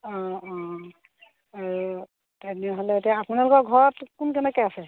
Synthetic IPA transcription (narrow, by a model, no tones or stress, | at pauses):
ɔ̃ɔ̃ | aɹu | tɛnɛɦolɛtapunalɔkɔɡʱɔɹɔtkunkɛnɛkɔjasɛ